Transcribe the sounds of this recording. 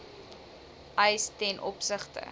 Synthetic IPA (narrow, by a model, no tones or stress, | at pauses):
ʔəjstɛnʔɔpsəχtə̰